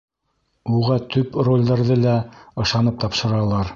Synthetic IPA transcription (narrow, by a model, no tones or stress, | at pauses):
uʁɑt̪ʰɵprolʲd̪ɑɾðɤlæɤ̆ʃɑnɤp̚t̪ɑpʃɤ̆ɾɑlˠɑɾ